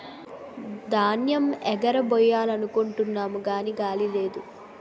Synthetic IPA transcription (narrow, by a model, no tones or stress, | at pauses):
d̪aːnjɐmɛɡɐɾɐbɔjaːlɐnukoɳʈunːaːmuɡaːniɡaːlile̞ːd̪u